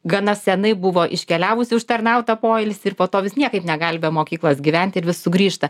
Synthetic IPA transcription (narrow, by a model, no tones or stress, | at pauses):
ɡɐnɐsʲɛnɐɪbʊʋoːʔɪʃʲkʲɛlʲæːʋʊsʲɪʊʃt̪ɐrnɐʊt̪ɐpoːɛlʲsʲɪɾpoːt̪oːʋʲɪsnʲiɛkɐɪpnʲɛɡɐlʲbʲeːmoːkʲiːklˠoːsɡʲiːʋʲɛnʲt̪ʲɪɾʋʲɪssʊɡɾʲiːʃt̪ɐ